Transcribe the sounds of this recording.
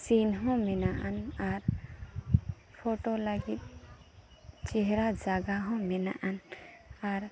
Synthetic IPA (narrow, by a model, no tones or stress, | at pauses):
sinɦɔ̃mɛnaʔanaɾ | pʰoʈolaɡit̪̚ | t͡ʃɛɦɛɾad͡ʒaɡaɦɔ̃mɛna̰ʔanaɾ